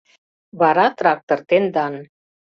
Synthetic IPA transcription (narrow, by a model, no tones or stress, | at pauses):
βɑɾɑt̪rɑk̚t̪ort̪end̪ɑn